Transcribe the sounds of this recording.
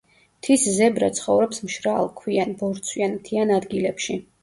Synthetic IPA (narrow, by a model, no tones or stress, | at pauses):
t̪ʰiszɛbɾa̰t̪sʰχɔvɾɔpsmʃɾalˠkʰwianbɔɾt̪sʰwianmt̪ʰianad̪ɡilɛpʃi